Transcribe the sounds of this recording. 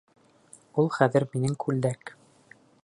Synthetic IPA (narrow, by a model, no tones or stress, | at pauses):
ulˠχæðɘ̆ɾminɘŋkʰʉld̪æk